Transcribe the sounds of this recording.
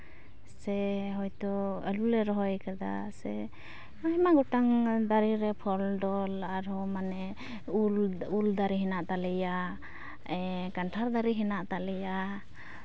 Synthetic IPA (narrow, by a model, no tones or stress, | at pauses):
sɛɦɔjt̪ɔəlulɛɾɔɦɔjkad̪a̰sɛ | aɦɛmaɡɔʈaŋd̪aɾiɾɛpʰɔlɖɔlaɾhɔmanɛ | luld̪aɾiɦɛnaʔt̪alɛja | ɛkanʈʰaɾd̪aɾiɦɛnaʔt̪alɛja